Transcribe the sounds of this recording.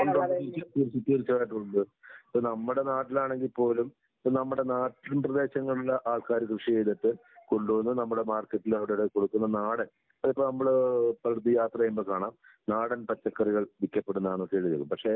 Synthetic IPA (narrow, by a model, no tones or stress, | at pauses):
oɳɖɐɐɐtuːɾisut̪ːɐɾit͡ɕːɐaːjʈːuɳɖɨɐpːoːnɐmːuɽe̞naːʈːilaːɳe̞ŋɡilpo̞ːlum | pːonɐmːuɽe̞naːʈːilumprɐd̪e̞ːɕɐŋːɐɭuɭːɐʔaːɭkaːɾɐkrɨʂieːd̪ɐt̪ːɨ | ko̞ɳɖuʋɐnːunɐmːuɽe̞maːrkːɐʈːilɐʋɐɽeɽeko̞ɽukːunːɐnaːɽɐn | ɐðipːonɐmːɐɭpɐld̪ijaːt̪rɐɐjumboːkaːɳaːm | naːɽɐnpɐt͡ɕːɐkːɐriɣɐɭʋikʲːɐpːe̞ɽunːɐðaːɳokːeːɻiɾɐɣumpɐkʂe̞